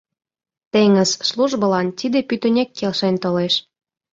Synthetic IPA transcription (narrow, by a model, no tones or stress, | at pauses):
t̪eŋəzsluʒbɤ̆lɑnt̪ʲid̪epyt̪ə̆nʲekːelʃenʲt̪oleʃ